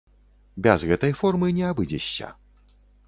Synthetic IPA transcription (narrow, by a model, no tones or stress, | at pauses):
bʲazɣɛt̪ɐjfɔrmɨnʲɛabɨd͡zʲɛɕʲːɐ̰